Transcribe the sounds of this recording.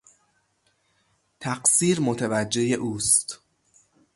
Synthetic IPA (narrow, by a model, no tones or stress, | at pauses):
t̪ʰæɢsiːɾmot̪ʰevæd͡ʒːe̞je̞ʔuːst̪